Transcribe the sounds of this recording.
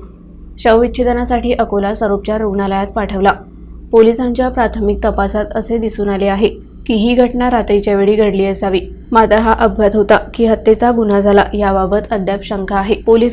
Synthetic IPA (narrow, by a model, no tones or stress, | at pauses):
ɕəʋʋiɕʰed̪ənasaʈiːʔəkolasʋəɾop̚t͡ɕjaɾoɡɳaləjat̪paʈʰəʋla | polisaɲt͡ɕjapɾat̪ʰəmik̚t̪əpasat̪əsed̪isuːnaleaɦe | kiɦiːɡʱəʈɳaɾat̪ɾit͡ɕjaʋeɽiːɡʱəɽliːəsaʋiː | mat̪ɾəɦaʔəb̚ɡʱat̪ɦot̪akiːɦət̪ːet͡saɡunad͡zʱala̰jababət̪əd̪ʱjapɕəŋkʰaːɦepoliː